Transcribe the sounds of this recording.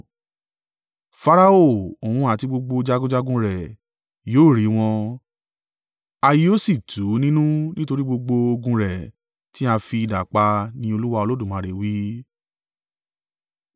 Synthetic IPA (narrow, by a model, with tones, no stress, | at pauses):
fa˧ɾa˧o˦˨o˨wũ˧a˨ti˧ɡ͡bo˧ɡ͡bo˧d͡ʒa˦ɡũ˦d͡ʒa˦ɡũ˦ɾɛ˨ | joː˦˨ɾi˨˦w̃ɔ̃˧ | a˧ji˦o˦si˦˨tʰu˨˦nĩ˦nũ˦nĩ˦to˧ɾi˦ɡ͡bo˧ɡ͡bo˧o˧ɡũ˧ɾɛ˨ | ti˦a˧fi˧i˧da˨k͡pa˧nĩ˦o˧lu˦wa˧o˧lo˦dũ˦˨mã˧ɾe˨wi˨˦